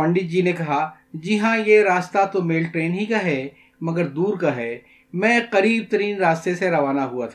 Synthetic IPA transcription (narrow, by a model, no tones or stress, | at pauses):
pɐ̃ɳɖɪt̪̚d͡ʒiːnekɐɦa | d͡ʒɪɦãjeɾaːst̪at̪omeːlʈɾeːnɦikaɦɛ | mɐɡəɾd̪uːɾkaɦɛː | mɛ̃ːqɐɾiːb̚t̪ɐɾiːnɾaːst̪eseɾɐʋaːnaɦuat̪ʰa